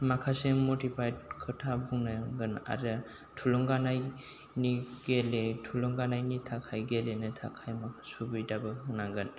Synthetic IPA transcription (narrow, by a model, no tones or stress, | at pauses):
makʰasemotipʰajd̚kʰɯtʰabʱuŋnaɡɯna̰ɾɯ | tʰulɔŋɡanaj | niɡ̥eletʰulɔŋɡanajnitʰakʰajɡelenɯtʰa̰kʰajmakʰasubɯjdabɯɯŋnaŋɡɯn